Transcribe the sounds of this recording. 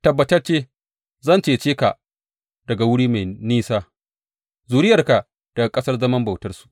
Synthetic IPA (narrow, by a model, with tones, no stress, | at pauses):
tɐ˨bːɐ˨tɐ˦rt͡ʃeː˦ | zɐ˦˨nt͡ʃeː˨t͡ʃeː˦ka̰˨ʔ | dɐ˨ɡa˨wʊ˦ɽiː˦ma˨jniː˦saː˦ | zuː˨ɾɪ˦jɐ˨rka˨ʔ | d̥ɐ˨ɡa˨kʼɐ˦sɐ˦rzɐ˦mɐ˦mba˨wtɐ˦rsu̥˨ʔ